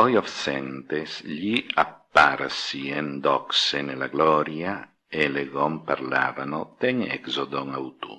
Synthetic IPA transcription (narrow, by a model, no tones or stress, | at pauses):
ɔjɔfsɛnt̪esʎiapːaɾsiend̪ɔksenelaɡlɔɾja | eleɣɔmpaɾla̰ːvanot̪ɛŋɛksod̪oŋawt̪ṵ